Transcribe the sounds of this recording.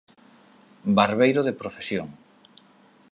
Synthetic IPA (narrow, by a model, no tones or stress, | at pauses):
baɾβejɾoðepɾofesjoŋ